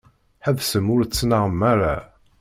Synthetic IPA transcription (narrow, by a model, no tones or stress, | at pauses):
ħəðsəmʊɾt͡sːnaʁəmːaɾˤa